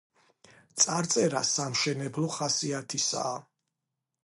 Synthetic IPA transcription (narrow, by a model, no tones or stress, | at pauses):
t̪sʼaɾt̪sʼɛɾa̰samʃɛnɛblˠɔχasiat̪ʰisa̰ː